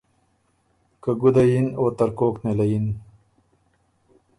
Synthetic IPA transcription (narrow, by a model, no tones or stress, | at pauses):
kəɡud̪ajinoːt̪aɾkoːknelajin